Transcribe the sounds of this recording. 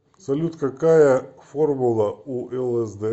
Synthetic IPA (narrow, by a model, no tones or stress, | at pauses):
sɐlʲut̪kɐkajɐformʊlˠɐuʔɛlˠɛzd̪ɛ